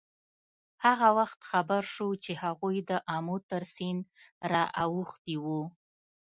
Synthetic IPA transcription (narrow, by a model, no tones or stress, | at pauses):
haɣawaxt̪xabaɾʃut͡ʃehaɣujd̪əʔɑmot̪əɾsin | ɾɑʔawuxt̪iwu